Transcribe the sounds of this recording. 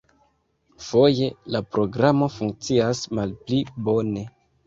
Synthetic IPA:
fo̞je̞lapɾo̞ɡɾamo̞fuŋk̚t͡siasmalplibo̞ne̞

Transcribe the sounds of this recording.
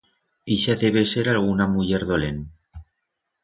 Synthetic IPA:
iʃaðeβe̞seɾalɣ̞unamuʝeɾðolen

